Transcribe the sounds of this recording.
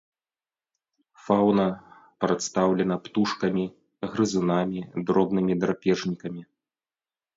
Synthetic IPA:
fawnɐ | pɾɐt̪st̪awlʲɛn̪ɐpt̪uʂkɐmʲi | ɣɾɨzunamʲid̪ɾɔbnɨmʲid̪ɾapʲɛʐnʲikɐmʲi

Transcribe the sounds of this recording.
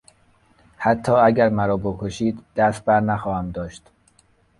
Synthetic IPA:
hæt̪ʰːɒːæɟæɾmæɾɒːbokʰoʃiːd̪ːæst̪̚bæɾnæxɒːhæmd̪ɒːʃt̪

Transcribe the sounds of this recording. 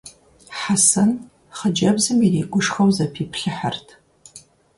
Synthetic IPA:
ħasɐn | χəd͡ʒɐbzɨmiriːɡʷʊʂxɐwzɐpʰiːpʰɬɨħartʰ

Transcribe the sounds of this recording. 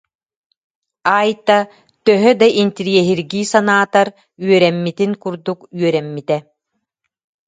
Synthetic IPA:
aːjt̪a | t̪œɦœd̪aʔint̪iɾiɛɦiɾɡiːsanaːt̪aɾ | yœɾɛmːit̪iŋkuɾd̪ukyœɾɛmːit̪ɛ

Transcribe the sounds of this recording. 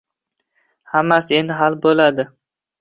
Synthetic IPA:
hamːase̞nd̪ɪɦalbolad̪ɪ

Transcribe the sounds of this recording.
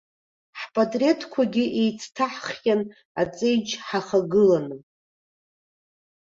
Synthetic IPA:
ħpʼatʼretʰkʷʰaɡʲɪʔejt͡sʰtʰaħχjan | at͡sʼe̞jd͡ʒħaχaɡɨlanɨ

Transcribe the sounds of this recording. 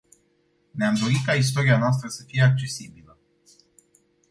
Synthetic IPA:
neamd̪o̞ɾikais̬t̪o̞ɾianoas̬t̪ɾəsəfije̞ak̚t͡ʃe̞sibilə

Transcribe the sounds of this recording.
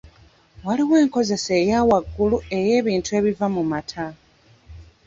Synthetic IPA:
waliwe̞ːŋko̞ze̞se̞ːjaːwaɡːulue̞je̞ːβiːntue̞ːβivamumatʰa

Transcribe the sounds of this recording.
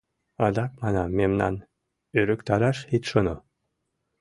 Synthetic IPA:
ɑd̪ɑk̚mɑnɑmːemnɑ̰n | øɾɘ̆kt̪ɑɾɑʃit̪ʃɤno

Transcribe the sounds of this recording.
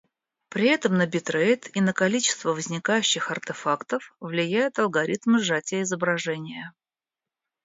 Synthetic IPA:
pɾʲɪɛt̪əmnəbʲɪt̪ɾejt̪inəkɐlʲit͡ɕɪ̥st̪vəvəzʲnʲɪkajʉɕːɪxɐrt̪ɨfakt̪əfvlʲɪjæjʊt̪ɐlˠɡɐɾʲit̪mɨʐatʲɪjəɪzəbɾɐʐɛnʲɪjə

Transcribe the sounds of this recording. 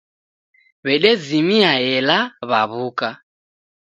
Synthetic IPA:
βɛɗɛzimiaɛlaβaβuka

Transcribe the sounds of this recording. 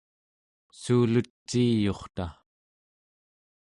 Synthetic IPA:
suːlut͡ʃːiːjo̞χt̪a

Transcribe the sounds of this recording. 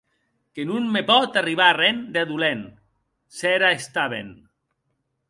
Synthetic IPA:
kenunmepɔt̪ariβarɛnd̪aðulɛn | sɛɾaest̪aβḛn

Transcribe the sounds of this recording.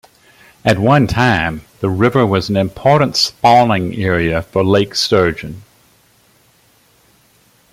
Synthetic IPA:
ɨt̚wʌ̃ntʰãɪ̃mðəɹɪvə˞wʌzn̩ɨ̃mpʰɔˑɹʔn̩tspɑɪ̃ŋɛɹiɨfəleɪksɜ˞d͡ʒɨ̃n

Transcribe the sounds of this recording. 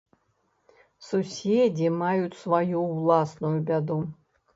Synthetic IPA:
susʲed͡zʲimajut͡sʲsvajuwlˠasnujubʲad̪u

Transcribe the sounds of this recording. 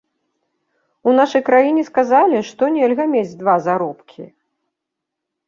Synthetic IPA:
unaʂɐjkɾajinʲɛskazalʲiʂt̪ɔnʲɛlʲɣɐmʲed͡zʲd̪vazaɾɔpkʲʰi

